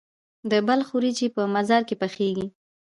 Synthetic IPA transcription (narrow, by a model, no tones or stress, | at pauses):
d̪əbalxuɾit͡ʃipəmazɑɾkepəxeɡi